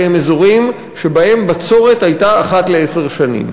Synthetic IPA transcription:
emezoʁim | ʃe̞bahe̞mbat͡so̞ʁe̞thajtaːχatle̞ese̞ʁʃanḭm

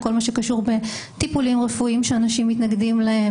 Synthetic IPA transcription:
ko̞lmaʃe̞kaʃuʁbe̞ | t̪ipulimʁefuimʃeanaʃimːit̪naɡd̪imlae

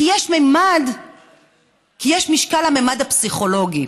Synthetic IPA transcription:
ijɛʃmemad | kijɛʃmiʃkalamemadhapsiχo̞lo̞ɡi

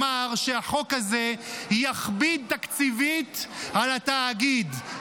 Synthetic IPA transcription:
aʁʃeaħo̞kaze̞ijaχbid̪̚t̪akt͡sivit̪alat̪aːɡid̪

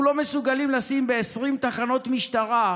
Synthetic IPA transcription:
lome̞suɡalimlasimbe̞esʁimt̪aχano̞t̪miʃt̪aʁa

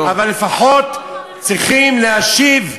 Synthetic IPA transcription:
avalːefaχot̪ | t͡sʁiχimleaʃiv

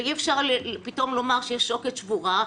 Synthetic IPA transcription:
iefʃaʁpito̞mlo̞maʁʃejeʃːo̞ket̪ʃvuʁa

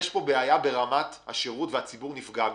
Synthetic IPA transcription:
ʃpo̞beajabe̞ʁamatha̰ʃeʁutveat͡sibuʁnifɡa

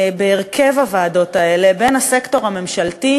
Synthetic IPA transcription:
beːʁkʰe̞vhavaːdo̞taele̞be̞nasekto̞ʁhame̞mʃalti

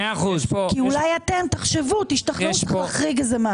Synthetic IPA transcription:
ukiulajat̪emt̪aχʃevut̪iʃt̪aχaχʁiɡezema

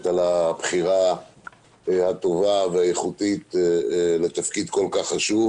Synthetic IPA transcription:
t̪alabχiʁa | hat̪o̞vavehajeχut̪it̪ | let̪afkid̪ko̞lkaχːaʃuv

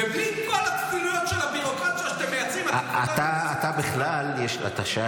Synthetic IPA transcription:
ebikolat̪filujot̪ʃelabiʁokʁat̪jaʃat̪emːejat͡simaat̪aːt̪abiχlaljɛʃla̰t̪aʃa

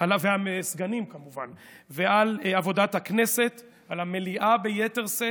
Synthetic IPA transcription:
alaveamesɡanimkamuva̰n | vealavo̞dathakne̞se̞t | alameliʔabejete̞ʁse

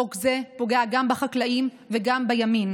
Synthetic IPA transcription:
okzepo̞ɡeaɡambaχaklaim | veɡambejamim

